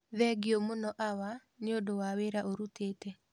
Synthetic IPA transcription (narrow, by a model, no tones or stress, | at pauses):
ðɛɡiɔmonɔʔawa | neodowaweɾaʔoɾuteːtɛ